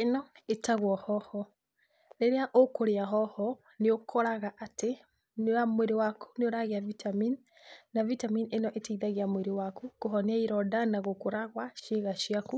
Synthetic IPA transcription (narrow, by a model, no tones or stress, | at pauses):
enɔetaɣwɔhɔhɔ | neɾeaʔokoɾeaɦɔhɔ | neokʰɔɾaɣaʔate | neamweɾewakʰu̥neoɾaɣeavitʰaminː | avitaminenɔʔetaiðaɣeamweɾewakukoɦɔneaiɾɔdanaɣokoɾaɣwaʃeɣaʃiaku